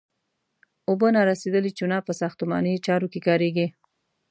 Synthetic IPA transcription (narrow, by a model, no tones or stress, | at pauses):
obənaɾased̪əlit͡ʃunɑpəsɑxt̪ʊmɑ̰net͡ʃɑɾokekɑɾeɡi